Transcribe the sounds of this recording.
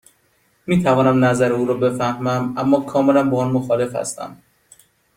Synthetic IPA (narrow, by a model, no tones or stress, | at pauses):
miːt̪ʰævɒːnæmnæzæɾeuːɾɒːbe̞fæhmæmæmːɒːkʰɒːme̞læmbɒːnmoxɒːle̞fhæ̰st̪æ̰m